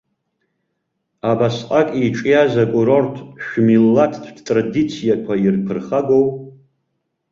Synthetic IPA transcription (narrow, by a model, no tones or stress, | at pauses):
abasqʼakʼiʈ͡ʂʼijazakʷʼuɾortʰʃᶣmilːatʰdʰdtʼradit͡sʰijakʷʰairpʰɨrχaɡow